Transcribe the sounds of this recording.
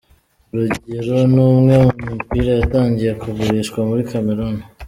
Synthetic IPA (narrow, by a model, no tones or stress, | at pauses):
ɾuɟeɾo̞numŋe̞mumupiːɾajataːɲɟije̞kuɡuɾiʃkwamuɾikame̞ɾoni